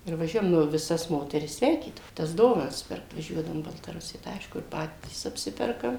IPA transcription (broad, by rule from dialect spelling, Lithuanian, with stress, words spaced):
ɪr ʋɐˈʒʲuɔjɛm nʊ ʋʲɪˈsɐs ˈmoːtʲɛrʲɪs ˈsʲʋʲɛɪkʲiːdɐʋoː tɐs ˈdoːʋɐnɐs ˈpʲɪrkt ʋɐˈʒʲuɔdɐʋʊm iː bɐlˠtɐˈrʊsʲɪjɛ tɐɪ ˈɐɪʃkʊ ɪ ˈpɑːtʲiːs ɐpʲˈsʲɪpʲɛrkɐm